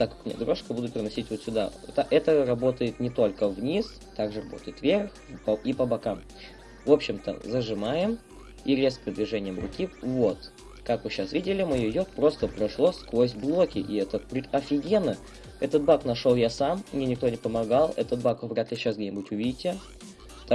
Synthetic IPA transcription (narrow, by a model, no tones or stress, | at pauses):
t̪akkmɪnʲḛd̪ɾo̞ʂkəbud̪ʊpʲɪɾʲɪnɐsʲitʲvot̪sʲʊd̪a̰t̪aʔɛt̪ərɐbo̞t̪əjɪt̪nʲɪt̪o̞lʲkəvnʲis | t̪aɡʐɨrɐbo̞̰t̪əjɪt̪vʲerxpipəbɐkam | vo̞pɕːɪmt̪ə̰zəʐɨmajɪm | iɾʲest̪pɾʲəd̪vʲɪʐɛnʲɪjəmrʊ̰kʲivo̞t̪ | kakvɨɕːasvʲidʲɪlʲɪmɨjɪjot̪pɾo̞st̪əpɾɐʂlˠoskvosʲblˠo̞kʲɪʔɪɛt̪əpɾʲɪt̪ɐfʲɪɡʲenə | ɛt̪ət̪̚baknɐʂo̞lˠjasamːnʲenʲɪk̚t̪o̞nʲɪpəmɐɡalˠɛt̪ət̪̚bakvɾʲat̪lʲɪɕːasɡ̚dʲenʲɪbuɪtʲʊvʲidʲɪtʲja | t̪a